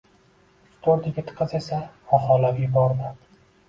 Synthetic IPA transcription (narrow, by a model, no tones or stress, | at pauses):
st̪ʰoɾd̪ɪɡʲɪt̪ʰɨ̥qʰːɨze̞saɒhɒlapjʊbɒɾd̪ɪ